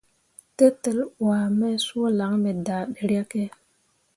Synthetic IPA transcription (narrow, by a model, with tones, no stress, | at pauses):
te˦t̪ə˨lwaː˨me˦swo˦la˨˦ŋme˨da˨ɗə˨ɽa˦ke˦